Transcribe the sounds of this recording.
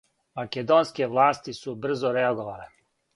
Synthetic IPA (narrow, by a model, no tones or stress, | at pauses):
maked̪onskeʋlaːst̪isubr̩zoɾeaɡoʋaːle